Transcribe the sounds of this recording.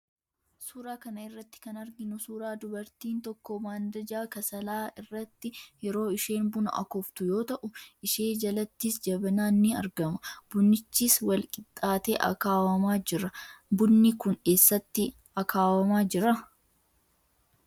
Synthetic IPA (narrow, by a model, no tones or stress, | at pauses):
suːɾaːkɐnɐɪrːɐt̪ːɪ̥kɐnɐɾɡɪnʊsuːɾaːd̪ʊbɐɾt̪iːnt̪ɔkːɔmaːnd̪ɐd͡ʒaːkɐsɐlaːɪrːɐt̪ːɪjɛɾo̞ːɪʃe̞ːnbʊnʊ̰ʔɐ̰kɔft̪ʊjo̞ːt̪ɐʔʊʔɪʃe̞ːd͡ʒɐlɐt̪ːiːsd͡ʒɐbɐnaːnːɪɐ̰ɾɡɐmʊb̥ʊnːɪt͡ʃːiːswɐlkʼɪt̪ʼːaːt̪ḛːʔɐ̰kaːwɐmaːd͡ʒɪɾɐbʊnːɪkʊne̞ːsːɐt̪ːɪ | ɐkʰaːwɐmaːd͡ʒɪɾɐ